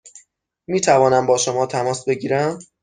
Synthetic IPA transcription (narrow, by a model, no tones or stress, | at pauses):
miːt̪ʰævɒːnæmbɒːʃomɒːt̪ʰæmɒːsbe̞ɟiːɾæm